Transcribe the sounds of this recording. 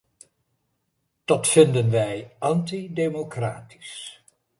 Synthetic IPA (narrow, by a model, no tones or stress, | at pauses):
d̥ɔtfɪndənʋɛjʔɑntidejmokraːti̥s